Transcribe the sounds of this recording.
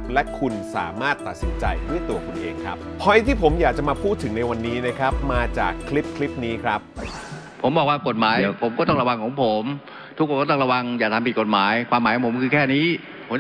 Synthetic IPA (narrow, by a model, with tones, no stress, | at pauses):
p̚lɛ˦˥ʔkʰu˧nsa̰ː˩˦maː˥˩t̪ːa˨˩t̪̚si˩˦nt͡ɕa˧jdu˥˩əjt̪u˧ɐkʰu˧nʔeː˧ŋkʰɾa˦˥p̚pʰːɔ˧˥jt̪ʰiː˥˩pʰo˩˦mjaː˨˩k̚t͡ɕa˨˩maː˧pʰuː˥˩t̪ʰːɯ˩˦ŋna˧jwa˧nːiː˦˥na˦˥kʰɾa˦˥p̚maː˧t͡ɕa̰ː˨˩kʰːli˦˥p̚kʰli˦˥p̚niː˦˥kʰɾa˦˥p̚ | pʰo˩˦mbɔː˨˩k̚waː˥˩ko˨˩t̪̚maː˩˦jpʰo˩˦mkɔː˥˩t̪ɔ˥˩ŋɾa˧wa˧ŋkʰɔː˩˦ŋpʰo˩˦m | t̪ʰu˦˥kʰːkːt̪ɔ˥˩ɾa˧wa˧ŋjaː˨˩k̚t̪ʰa˧mpi˨t̪̚ko˨˩t̪̚maː˩˦jkʰwaː˧maː˨˦jkʰɔ˨˦po˩˦˥kʰɯ˧kʰɛː˥˩niː˦˥ | pʰo˩˦m